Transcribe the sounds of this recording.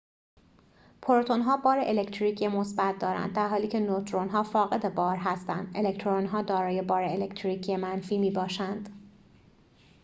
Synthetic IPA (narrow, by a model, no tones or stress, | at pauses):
pʰoɾot̪ʰonɦɒːbɒːɾeʔelect̪ʰɾiːcʰiemo̞sbæt̪̚ʰd̪ɒːɾæ̰nd̪̚d̪æɾɦɒːliːcʰe̞not̪ʰɾonɦɒːfɒːɣe̞d̪e̞bɒːɾɦæst̪ænd̪ʔelect̪ʰɾonɦɒːd̪ɒːɾɒːje̞bɒːɾeelekt̪ʰɾiːcʰiemænfiːmiːbɒːʃænd̪̥